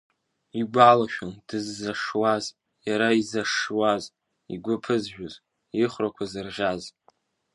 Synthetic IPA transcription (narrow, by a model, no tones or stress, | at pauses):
iɡʷalaʃᶣand̥ɨzːaʂwaz | jaɾaizaʂwaz | ḭɡʷʊpʰɨzʒᶣʊz | iχʷrakʷʰazɨrʁʲaz